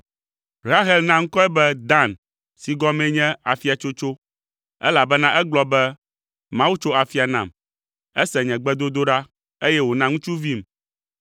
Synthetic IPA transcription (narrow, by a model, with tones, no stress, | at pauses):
ɾa˦ɦɛ˦lnã˦ŋ̩˦kɔ˦ɛ˦bɛ˦d̪a˦˨n | si˨ɡɔ˦mɛ̃˦ɲɛ̃˦a˨fi˦a˨t͡ʃo˦t͡ʃo˦ | ɛ̰˦la˨bɛ˦nã˦ʔɛ˦ɡ͡blɔ˦bɛ˦ | mã˦wu˦t͡ʃo˦a˨fi˦a˨nã̰˨m | ɛ˦sɛ˨ɲɛ̃˨ɡ͡bɛ˦d̪o˦d̪o˦ɖa˦ | e˦jɛ˦wo˨nã˦ŋũ˦t͡ʃu˦vi˦m